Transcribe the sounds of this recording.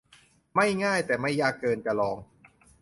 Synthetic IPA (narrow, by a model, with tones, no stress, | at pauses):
ma˥˩jŋaː˥˩jt̪ɛː˨˩ma˥˩jːaː˥˩kːɤː˧nt͡ɕa˧lɔː˧ŋ